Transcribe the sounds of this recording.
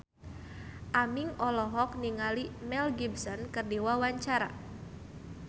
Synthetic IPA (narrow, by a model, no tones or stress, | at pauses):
ʔamiŋɔlɔɦɔk̚niŋalimɛlɡibsɔnkɨrdiwawaɲt͡ʃaɾa̰